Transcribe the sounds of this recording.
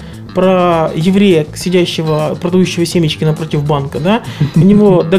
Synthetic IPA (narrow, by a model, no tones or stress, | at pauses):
pɾəjɪvɾʲejəsʲɪdʲæɕːɪvəpɾəd̪ɐjuɕːɪvəsʲemʲɪt͡ɕkʲɪnɐpɾo̞tʲɪvbankəd̪aʊnʲɪvo̞d̪ɐ